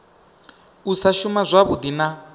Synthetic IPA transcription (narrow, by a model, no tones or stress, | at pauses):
usaʃumazʷaβud̪ina